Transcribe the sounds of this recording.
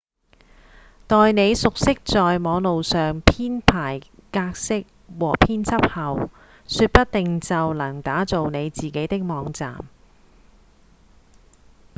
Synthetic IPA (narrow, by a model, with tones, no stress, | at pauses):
t̪ɔː˨jne˨˧jsʊ˨k̚sɪ˥k̚t͡sɔː˨jmɔː˨˧ŋlo˨wsœː˨ŋpʰiː˥npʰaː˨˩jkaː˧k̚sɪ˥k̚ | wɔː˨˩pʰiː˥nt͡sʰɐ˥p̚hɐ˨w | syː˧t̚pɐ˥t̚t̪ɪ˨ŋt͡sɐ˨wlɐ˨˩ŋt̪aː˨˥t͡so˨wne˨˧jt͡siː˨ke˨˥jt̪ɪ˥k̚mɔː˨˧˥ŋt͡sa̰ː˨m